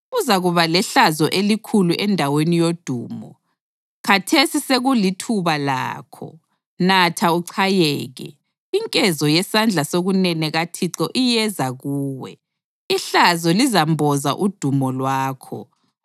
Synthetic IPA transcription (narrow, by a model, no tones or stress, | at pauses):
uzaɣuβalɛɬazɔʔelikʰuluʔɛndʱawenijod̥ʱuːmɔ̰ | kʰatʰesiseɣulitʰuβala̰ːkʰɔ̰ | natʰauǀʰajɛːɣɛ̰ | iŋkʼɛzɔjɛsand͡ɮʱasoɣunɛnɛɣatʰiǁɔʔijɛzaɣuːwɛ̰ | iɬazɔlizambʱɔza̰ʔud̥ʱumɔlwaːkʰɔ̰